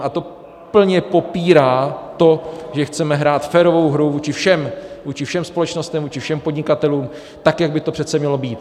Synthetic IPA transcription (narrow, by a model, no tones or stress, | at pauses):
ʔat̪o̞ | pl̩ɲɛpo̞piːɾaːt̪o̞ʒɛxt͡sɛmɛɦɾaːt̪fɛːɾo̞vo̞wɦɾuvuːt͡ʃɪfʃɛmvuːt͡ʃɪfʃɛmspo̞lɛt͡ʃno̞st̪ɛmvuːt͡ʃɪfʃɛmpo̞dɲɪkat̪ɛluːm | t̪akjaɡ̚bɪt̪opr̝̥ɛt̪t͡sɛmɲɛlo̞biːt̪